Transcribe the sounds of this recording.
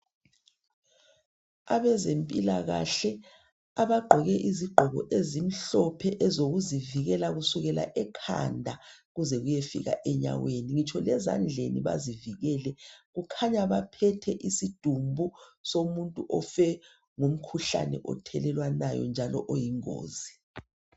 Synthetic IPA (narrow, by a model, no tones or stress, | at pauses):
aβɛzempʼilaɣa̰ɬɛ | aβaɡ͡ǃʱɔɣɛʔiziɡ͡ǃʱɔɣɔ̰ʔezim̩ɬɔpʰɛʔɛzoɣuziviɣɛlaɣusuɣɛla̰ʔɛkʰa̰ndʱaɣuzɛɣujefḭɣa̰ʔɛɲa̰weniŋit͡ʃʰɔlɛza̰nd͡ɮʱeniβa̰ziviɣɛːlɛɣukʰaɲaβapʰɛtʰɛʔisid̥ʱumbʱusomuntʼuʔɔfɛ | ŋum̩kʰuɬa̰nɛ̰ʔɔ̰tʰɛlɛlwanajɔ̰nd͡ʒʱalɔʔojiŋo̰ːzi